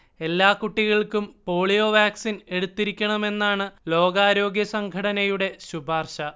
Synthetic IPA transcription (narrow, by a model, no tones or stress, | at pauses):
e̞lːaːkuʈːiɣɐɭkumpo̞ːɭijo̞ʋaːksine̞ɽut̪ːiɾikʲːɐɳɐme̞nːaːɳɨlo̞ːɡaːɾo̞ːɡjɐsɐŋɡʱɐɽɐnɐjuɽe̞ɕubʱaːrɕɐ